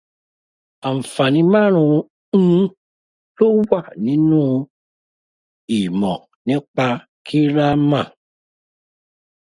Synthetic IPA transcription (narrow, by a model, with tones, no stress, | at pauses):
a˨m̩˨fa˨nĩ˧˦mã˦ɾ̃ũ˧˦ | lo˦wa˦˨nĩ˨˦nũ˦ | i˨mɔ̰̃˨ | nĩ˦k͡pa˧ | kʰi˦ɾa˦mã˦˨